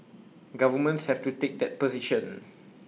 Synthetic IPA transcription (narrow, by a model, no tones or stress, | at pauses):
ɡavəmə̃ntshɛftutek̚dɛt̚pɔziʃə̃n